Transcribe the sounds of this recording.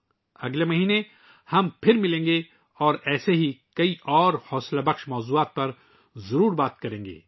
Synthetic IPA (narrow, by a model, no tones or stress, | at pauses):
ɐɡlemɐɦiːne | hɐmpʰɪɾmɪlẽːŋɡe | ɔːɾɛːseɦikɐiʔɔːɾhɔːslabɐxʃmɔːzuːaːt̪̚pɐɾ | zɐɾuːɾbaːt̪kɐɾẽːŋɡḛː